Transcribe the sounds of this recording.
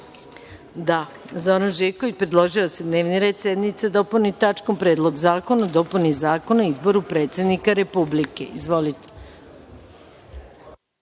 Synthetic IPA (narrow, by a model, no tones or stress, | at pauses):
d̪a | zoɾanʒikoʋit͡ɕpɾed̪lˠo̞ʒiosed̪ne̞ːʋniɾe̞ːd̪sʲje̞d̪nit̪sed̪o̞punit̪at͡ʃkompɾeːd̪lˠo̞ɡzaːko̞nad̪o̞punizaːkonaizbo̞ɾupɾe̞ːt̪sʲed̪nikaɾe̞publike̞̰izʋo̞lit̪e̥